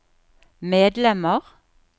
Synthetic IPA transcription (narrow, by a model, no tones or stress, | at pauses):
meːd̪lɛməʁ